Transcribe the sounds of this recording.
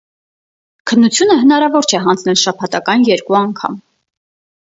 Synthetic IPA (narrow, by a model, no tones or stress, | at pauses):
kʰənːut͡sʰjunəɦənɑɾɑvɔɾt͡ʃʰɛɦɑnd͡znɛlʃɑpʰɑt̪ɑkɑnjɛɾkuɑŋkʰɑ̰m